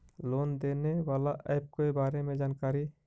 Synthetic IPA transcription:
loːnd̪eːnewaːlaʔəjb̚koːibaːɾemẽd͡ʒaːnkaːɾi

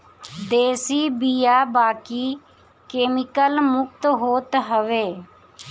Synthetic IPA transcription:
d̪eːsiːbiːjaːbaːkiː | keːmɪkəlmʊk̚t̪ɦoːt̪ɦəʋeː

